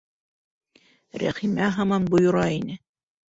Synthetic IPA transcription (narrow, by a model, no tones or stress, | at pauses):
ɾæ̰χimæɦɑmɑnbŏjŏɾɑinɘ